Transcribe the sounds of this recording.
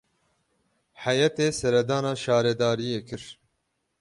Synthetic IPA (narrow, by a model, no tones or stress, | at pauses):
ħajɛt̪eːsɛɾɛd̪ɑːnɑːʃɑːɾɛd̪ɑːɾijeːkʰɨɾ